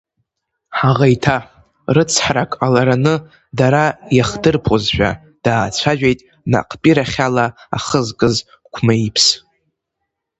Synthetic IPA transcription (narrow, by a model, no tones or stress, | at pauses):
ħaʁajtʰa | rɨt͡sʰħrakʼalaɾanɨ | daɾajaχdɨrpʰozħʷᶣa̰ | d̥aːt͡sʷʰaʒᶣejtʼ | na̰qʰʼpʼiɾaχʲalaa̰χəzkʼɨz | kʷʰmaipʰs